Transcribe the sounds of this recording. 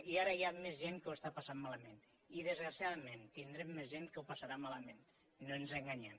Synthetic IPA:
iaɾəjamezʒeŋkəwəst̪apasammːaləmẽn | iðəzɣɾasijaðəmẽnt̪ind̪ɾemːezʒenkəwpasaɾamaləmẽnː | onzeŋɡaɲem

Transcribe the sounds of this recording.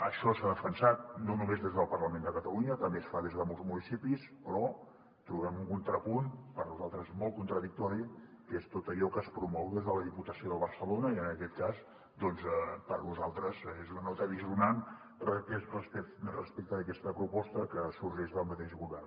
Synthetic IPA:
əʃɔsaðəfənsat̪̚nonumezðezðəlˠpərləmend̪əkət̪əluɲət̪əmbesfaðezðəmɔlˠzmunisipispɾɔ | t̪ɾuɣɛmuŋkunt̪ɾəpunpəɾnuzalˠt̪ɾəzmɔlˠt̪̚kunt̪ɾəðik̚t̪ɔɾiəkest̪ot̪əʎɔkəspɾumɔwðezðələðiput̪əsioðəlˠβərsəlonəiənəkɛt̪kaz | d̪ɔnzɛpəɾnuzalˠt̪ɾəzezunənɔt̪əðiziunan | rəkɛrəspɛrəspɛk̚t̪əːkɛst̪əpɾupɔst̪əkəsurʒɛʒðəlˠmət̪ɛʒɣuβɛr

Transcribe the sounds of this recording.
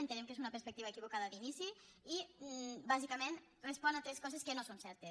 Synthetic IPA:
ent̪ənemkezunɐpəɾspək̚t̪iβaekiβukaðəalinisiibazikəmen | respɔnat̪ɾeskɔzeskənosonsɛɾt̪e

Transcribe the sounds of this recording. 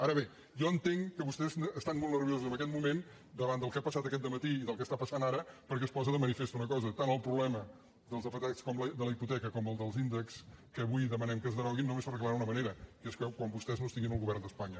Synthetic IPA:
aɾəβe | jɔənt̪eŋkəβust̪ɛzːst̪anmolˠnəɾβjozuzəmbəkɛt̪mumen | d̪əβand̪əlˠkɛapəsat̪əkɛt̪d̪əmət̪iiðəlˠkɛəst̪apəsanaɾəpəɾkɛspɔzəðəmənifest̪uunəkɔzət̪anəlˠpɾuβlɛmə | d̪əlˠzəpət̪akskɔmləd̪ələiput̪ɛkəkɔməlˠd̪əlˠzind̪əkskəːβujðəmənɛmkəzðəɾɔɣinːumespəɾək̬ləaunəməneɾəkeskəkwambust̪ɛznost̪iŋɡinəlˠɣuβɛrnd̪əspaɲə

